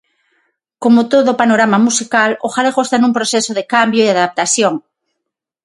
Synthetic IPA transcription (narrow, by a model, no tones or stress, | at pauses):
komot̪oðopanoɾamamusikaloxaleɣoest̪anumpɾosesoðɪkambjoeðaðap̚t̪aθjoŋ